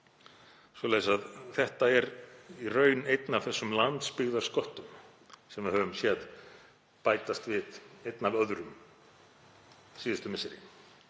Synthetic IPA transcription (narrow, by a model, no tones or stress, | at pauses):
svɔlɛsaðθɛht̪aɛɾirœːɥnejt̪nav̥θɛsːʏmlant̪spɪɣðaɾ̥skɔht̪ʏm | sɛmvɪðhœːvʏmsjɛð | paːjt̪ast̪vɪðejt̪navœðɾʏm | siːðɪst̪ʏmɪsɪɾɪ̰